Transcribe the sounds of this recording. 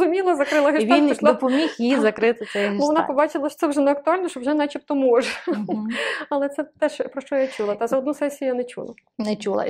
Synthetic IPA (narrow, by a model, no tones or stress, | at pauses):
zʊmʲilˠɐzɐkɾɪlˠɐɦʲiʋʲinɔʃld̪ɔpɔmʲixxjizɐkɾɪt̪ɪsɛbɔʋɔnapɔbɑt͡ʃɪlˠɐʃt̪sɛwʒɛnɛɐk̚t̪ʊɑlʲnɔʃt͡ʃɔwʒɛnat͡ʃip̚t̪ɔmuʒ | ɐlˠɛt̪sɛt̪ɛʃpɾɔʃt͡ʃɔjat͡ʃulˠɐt̪azɐɔd̪nusɛsʲijʊjanɛt͡ʃṵlˠɐ̰nɛt͡ʃulˠɐ̰